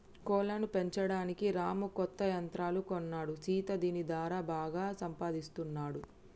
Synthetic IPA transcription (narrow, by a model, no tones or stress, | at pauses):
kɔːlɐnupe̞ɲt͡ʃɐɽaːnikiɾaːmukɔt̪ːɐjɐnt̪ɾaːlukonːaːɽusiːt̪ɐd̪iːnid̪aːɾaːbaːɡaːsɐmpaːd̪ist̪unːaːɽu